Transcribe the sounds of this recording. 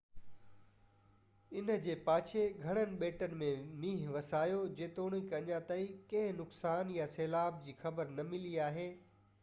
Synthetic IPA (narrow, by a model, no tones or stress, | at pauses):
ɪnə̆d͡ʑeːpaːt͡ɕʰeɡʱɐɽ̃ənɪ̆ɓeːʈənɪ̆mẽmiːɦʋɐsaːjod͡ʑeːt̪oːɽ̃ikɐɲãt̪ɐikɐ̃ɦɪ̃nʊksaːnjaseːlaːb̚d͡ʑiːxɐbəɾnɐmɪliaːɦeː